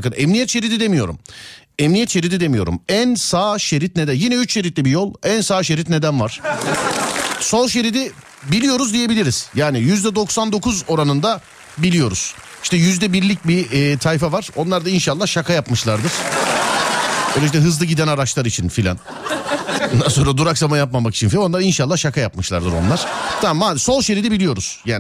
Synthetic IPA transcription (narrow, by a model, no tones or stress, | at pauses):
kɯnɛmnijɛt̪ʃe̞ɾid̪id̪emijo̞̰ɾṵm | ɛmnijɛt̪ʃe̞ɾid̪id̪emijoɾṵmænsaːʃe̞ɾit̪ned̪ænjinɛyt͡ʃʃe̞ɾit̪lʲibijo̞lˠænsaːʃe̞ɾit̪ne̞d̪ænvaɾ̥ | solˠʃe̞ɾid̪i | bilʲijo̞ɾuzd̪ije̞bilʲiɾiz̥jaːnijyzd̪ɛd̪o̞ksand̪o̞kʰuzo̞ɾanɯnd̪a | bilʲijo̞ɾṵz̥ | i̥ʃt̪ʰɛjyzd̪ɛbiɾlʲic̚bit̪ʰajfavaɾ̥o̞nlˠaɾd̪ainʃalˠːahʃakʰajapmɯʃlˠaɾd̪ɯɾ̥ | bøːlʲed͡ʒit̪ɛɦɯzlˠɯɟid̪ænaɾat͡ʃlˠaɾit͡ʃʰinfilʲa̰n | ond̪anso̞nɾad̪uɾaksamajap̬̚mamaki̥t͡ʃʰinfilʲano̞nˠaɾinʃalˠːahʃakʰajapmɯʃlˠa̰ɾd̪ɯɾo̞̰nlˠaɾ̥t̪ʰamːaso̞lˠʃe̞ɾid̪ibilʲijo̞ɾuz̥jaːn